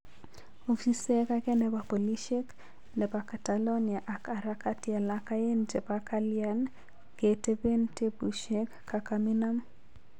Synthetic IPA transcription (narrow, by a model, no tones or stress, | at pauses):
ofisekakɛnɛbapoliʃek | nɛbakatalɔniaʔakaɾakatialakajend͡ʒepakaljan | ɡ̥etebentebuʃekːakaminam